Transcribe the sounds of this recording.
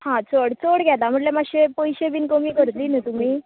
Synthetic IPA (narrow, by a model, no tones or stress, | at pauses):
hãt͡soɽt͡soɽɡʱɛt̪am̤əʈlemaɕepəjɕebiːnkəmiːkəɾt̪liːnət̪umiː